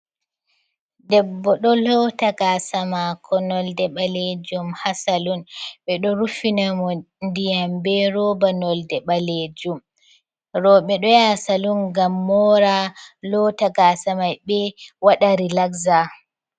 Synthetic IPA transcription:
dɛbːɔɗɔlɔtaɡasamakʰɔnɔldɛɓaled͡ʒumhasalunɓɛɗɔɾufinamɔ | ndijambɛɾɔbanɔldɛɓaled͡ʒum | ɾɔɓɛɗɔjasalunɡamːɔɾalɔtaɡasamajɓɛwaɗaɾilaɡza

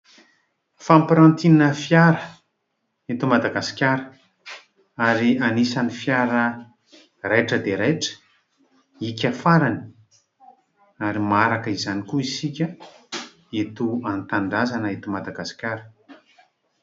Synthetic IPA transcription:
fampɾant̪ininəfjaɾə | et̪umad̪aɡasi̥kʲaɾə | aɾianisanifjaɾə | rejʈ͡ʂəd̪eɾajʈ͡ʂə̥ | ikʲafaɾani̥ | aɾimaɾakəizanikuisikʲə | et̪uant̪aɳɖ͡ʐazanəet̪umad̪aɡasi̥kʲaɾə̥

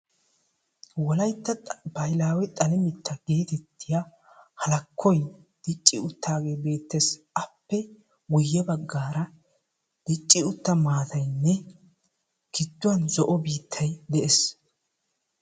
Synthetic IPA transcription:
wɔlɐjt̪ːɐbɐjlaːwɛt̪ʼɐlɪmɪt̪ʰːɐɡ̥e̞ːt̪ɛt̪ːɪja | hɐlɐkʰːɔjd̪̥ɪt͡ʃʼːɪʊt̪ːaːɡe̞ːbe̞ːt̪ːɛs | ɐpːɛ | wʊjːɛbɐɡːaːɾɐ | d̪̥ɪt͡ʃʼːɪʊt̪ːɐmaːt̪ɐjnːɛ | kɪd̪ːʊwɐnzɔʔɔbiːt̪ʰːɐjd̪ɛʔes

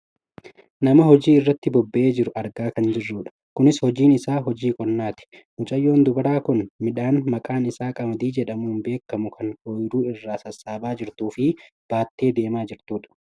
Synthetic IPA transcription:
nɐmɐɦɔd͡ʒiːɪrːɐt̪ːɪbɔbːɛʔe̞ːd͡ʒɪɾʊɐɾɡaːkɐnd͡ʒɪrːuːᶑɐ̥ | kʊnɪshɔd͡ʒiːnɪsaːɦɔd͡ʒiːkʼɔnːaːt̪ɪ̥ | mʊt͡ʃʼɐjːo̞ːnd̪ʊbɐɾaːkʊnmɪᶑaːnmɐkʼaːnɪsaːkʼɐbɐd̪iːd͡ʒɛᶑɐmuːnbe̞ːkːɐmʊkʰɐnʔoːjɪɾuːɪrːaːsɐsːaːbaːd͡ʒɪɾt̪uːfɪ | b̥aːt̪ːe̞ːd̪e̞ːmaːd͡ʒɪɾt̪uːᶑɐ̥

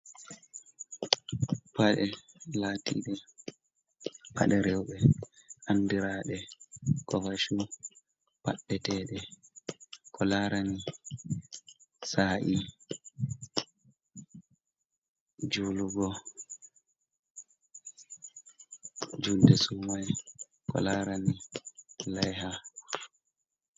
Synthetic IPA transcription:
paɗɛ | latḭɗɛ | pʰa̰ɗɛɾɛwɓɛʔandiɾaːɗɛkɔfaʃu | pa̰ɗːɛtɛːɗɛ | kʰɔlaɾani | saːʔi | d͡ʒuluɡɔ | d͡ʒuldɛsumaj | kɔ̰laːɾani | lajha

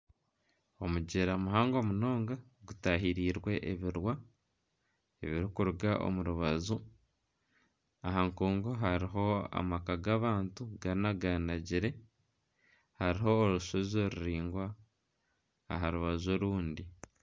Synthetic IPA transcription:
o̞muɟeɾamuɦaːŋɡomuno̞ːŋɡa | ɡutaɦiɾiːɾwe̞ʔeβiɾwa | eβiɾikuɾuɡaʔo̰muɾuβazu | aɦaŋkuːŋɡoɦaɾiɦo̞a̰makaɡaβaːntuɡaɾinaɡanaɟiɾe̞ | haɾiɦo̞ːɾuʃozoɾuɾiːŋɡwa | ɦaɾuβazo̞ɾuːndi

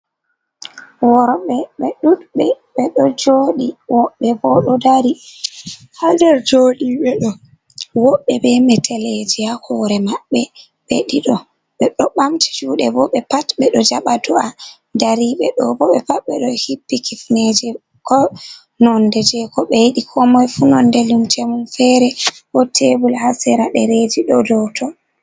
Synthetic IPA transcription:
wɔɾɔɓɛɓɛɗuɗɓɛ | ɓɛɗɔd͡ʒoːɗiwɔɓːɛbɔɗɔdaɾi | hadɛɾd͡ʒoɗiɓɛɗɔ | wɔɓːɛbɛmɛtʰɛled͡ʒɛahʰɔɾɛmaɓːɛ | ɓḛɗiɗɔ | ɓɛɗɔɓamti̥d͡ʒuːɗɛbɔɓɛpatɓɛɗɔd͡ʒaɓatua | daɾiɓɛɗɔbɔɓɛpaɓːɛɗɔhipːikifned͡ʒɛ | kɔ | nɔndɛd͡ʒɛkɔɓɛjiɗikʰɔmɔjfunɔndɛlumtʰemunfɛɾɛhɔtʰebulhasɛɾaɗɛɾed͡ʒiɗɔdɔtʰɔ

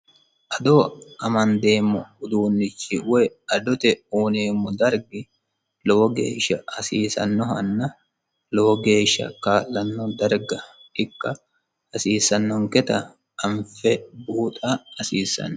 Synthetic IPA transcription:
ʔɐd̪oːʔɐmɐnd̪e̞ːmːɔ̰ʊd̪uːnːɪt͡ʃːɪwɔjɐd̪ɔt̪ɛuːneːmːɔd̪ɐɾɡɪ | lɔwɔɡe̞̰ːʃːɐhɐsiːsɐ̰nːɔɦɐnːɐ | lɔwɔɡe̞ːʃːɐ̰kaːlːɐnːɔd̪ɐɾɡɐ | ɪkːɐ | ɐsiːsɐnːɔŋkɛt̪ɐ̰ | ɐɱfɛbuːt̪ʼɐɐsiːsːɐ̰nː

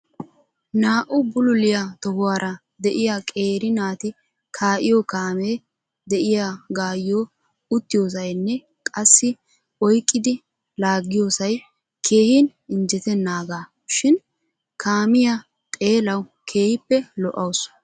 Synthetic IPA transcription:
naːʔʊbʊlʊlɪjat̪ɔhʊwaːɾɐ | d̪ɛʔɪjakʼe̞ːɾɪnaːt̪ɪ | kʰaːʔɪjokaːmeː | d̪ɛʔɪjaɡaːjːoː | ʊt̪ːɪjoːs̬ɐjnːɛ | kʼɐsːɪ | ɔjkʼːɪd̪ɪ | laːɡːɪjoːsɐj | kʰe̞ːhin | ɪnd͡ʒɛt̪ɛnːaːɡaː | ʃɪn | kʰaːmɪjɐ | t̪ʼe̞ːlɐwkʰeːhɪpːɛlɔʔɐws

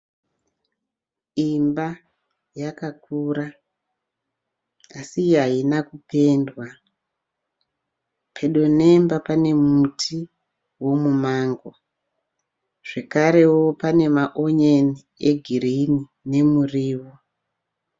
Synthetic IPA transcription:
imba | jakak̚uːɾa | asiɦainakupe̞ːndwa | pʰe̞ɗo̞ne̞mbapane̞mutʰi | wo̞mumaːŋɡo | ʐ̥e̞kaɾe̞wo̞pane̞maʔoɲeni | eɡʱirini | ne̞muriːwo

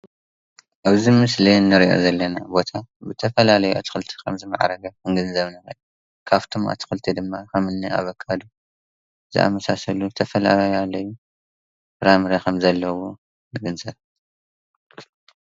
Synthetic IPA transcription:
ʔaβzimɨslinːɨɾiʔo̞̰zɐlːɐnabo̞t̪ʰabɨt̪ʰɐfɐlalɐjuʔa̰t̪ʰi̥xɨlt̪ʰi̥kʰɐmzɨma̰ʕ̰ɾɐɡɐɨŋɡɨnzɐβnɐxɐju | kʰaβt̪ʰomʔa̰t̪ʰi̥xɨlt̪ʰid̪ɨmːaxɐmɨnːia̰βɐkʰːad̪u | zɨ̰ʔa̰mɐsasɐlut̪ʰɐfɐla̰lajalːɐjːu | ɾamɨɾɐkʰɐmzɐlːɐwo | nɨɡɨnzɐβ

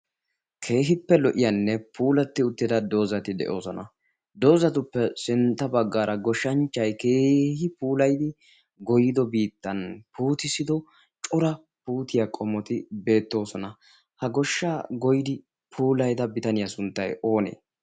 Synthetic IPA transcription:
kʰe̞ːɦɪpːɛlɔʔɪjɐnːɛpʰuːlɐt̪ːɪʊt̪ːɪd̪ɐd̪o̞ːzɐt̪ɪd̪ɛ̰ʔo̞̰ːsɔnɐ̰ | d̪o̞ːzɐt̪ʊpːɛsɪnt̪ːɐbɐɡːaːɾʔɐɡɔʃːɐnt͡ʃːɐjke̞ːhɪpuːlɐjd̪ɪ | ɡɔjɪd̪ɔbiːt̪ːɐnpuːt̪ɪsɪd̪ɔ | t͡ʃʼʊɾɐ | puːt̪ɪjakʼɔmɔt̪ɪbe̞ːt̪ːo̞ːsɔnɐ | hɐɡɔʃːaːɡɔjɪd̪ɪ | pʰuːlɐjd̪ɐbɪt̪ɐnɪjɐsʊnt̪ːɐjo̞ːnḛː

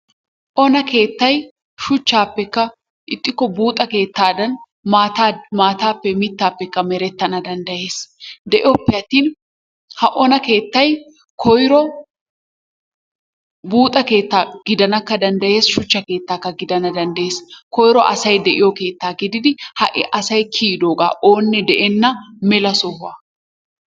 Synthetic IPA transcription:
ʔɔnɐke̞ːt̪ːɐj | ʃʊt͡ʃːaːpːɛkːɐ | ʔɪt̪ʼːɪkːɔbuːt̪ʼɐke̞ːt̪ːaːd̪ɐn | maːt̪amaːt̪aːpːɛmɪt̪ːaːpːɛkːɐmɛɾɛt̪ːɐnɐd̪ɐnd̪ɐje̞ːsd̪ɛʔɪɔpːɪɐt̪ːiːn | hɐʔɔnɐke̞ːt̪ːɐj | kʰɔjɾɔ | buːt̪ʼɐke̞ːt̪ːaːɡ̥ɪd̪ɐnɐkːɐd̪ɐnd̪ɐje̞ːsʃʊt͡ʃːɐke̞ːt̪ːaːkːɐɡɪd̪ɐnɐd̪ɐnd̪ɐjeːskɔjɾɔʔɐsɐjd̪ɛʔɪjɔke̞ːt̪ːaːɡɪd̪ɪd̪ɪhɐʔɪ̰ʔɐsɐjkʰiːd̪oːɡa̰ːʔo̞ːnːɛd̪ɛʔɛnːɐmɛlɐsɔɦʊɐ

